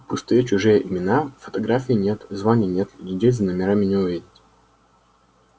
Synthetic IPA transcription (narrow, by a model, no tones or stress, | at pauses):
pʊst̪ɨjət͡ɕʊʐɨjəʔɪmʲɪnafə̥t̪ɐɡɾafʲɪɪnʲe̞t̪zvanʲɪjnʲe̞t̪ʲlʲɪdʲejʲzənəmʲɪɾamʲɪnʲɪʊvʲidʲɪtʲ